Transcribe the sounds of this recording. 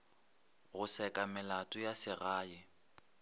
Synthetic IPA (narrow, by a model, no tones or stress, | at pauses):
ɣʊsɛkʼamɪlatʼʊjasɪɣaːjɪ